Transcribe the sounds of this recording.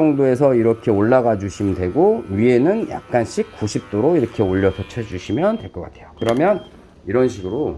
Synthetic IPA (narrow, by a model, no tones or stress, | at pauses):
ʌŋdoe̞s̬ʰʌiɾʌkʰe̞oɭːaɣad͡ʑuɕʰimndweɡoɥie̞nɯnja̰k̚k͈anɕʰik̚k͈uɕʰip̚t͈oɾoiɾʌkʰe̞oʎːʌsʰʌt͡ɕʰed͡ʑuɕʰimjʌntwe̞ɭk͈ʌk͈a̰tʰe̞jokɯɾʌmjʌn | iɾʌnɕʰiɡɯɾo